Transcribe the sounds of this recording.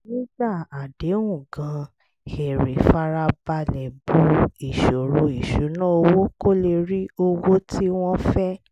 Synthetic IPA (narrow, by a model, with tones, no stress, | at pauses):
nĩ˦d͡ʒa˦˨a˨de˨˦wũ˦˨ɡã˨˦ | he˨ɾe˨fa˦ɾa˧ba˧lɛ˨bu˦i˨ʃo˨ɾu˨˧˦i˨ʃu˨˦nã˦o˧wo˦ko˦le˧ɾi˦o˧wo˦tʰi˦w̃ɔ̃˦fɛ˦